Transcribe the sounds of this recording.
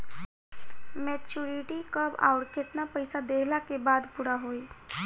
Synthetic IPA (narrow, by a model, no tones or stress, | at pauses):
mɛt͡ʃuɾiʈikəba̰ːʊʈket̪napəɪsad̪eːɦlakebaːd̪puɾaɦoːi